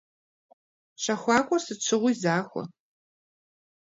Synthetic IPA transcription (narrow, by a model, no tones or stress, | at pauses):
ɕɐxʷɑːkʷʼɔrsɨt͡ʃʰɨʁʷʊjzaːxʷɔ̰